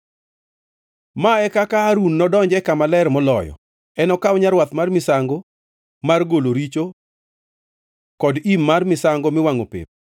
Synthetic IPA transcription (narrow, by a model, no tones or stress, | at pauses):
maɛkakaːɾunːɔdɔɲd͡ʒɛkamalɛɾmɔlɔ̰jɔ̰ | ɛnɔkaɔɲaɾwat̪marmɪsaŋɡo | marɡoloɾit͡ʃo | kɔdimːarmɪsaŋɡomɪwaŋopɪ̰p̚